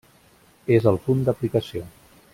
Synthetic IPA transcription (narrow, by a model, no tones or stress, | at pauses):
ezəlˠfund̪əplikəsio